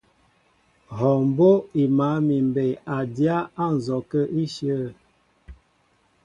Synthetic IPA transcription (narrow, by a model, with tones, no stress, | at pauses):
ɦɔ˨m˨bo˦i˨ma˨˦mi˨mbe˨a˨dja˦a˦˨n̩˨zɔ˨kə˦ʔi˦ʃjə˦˨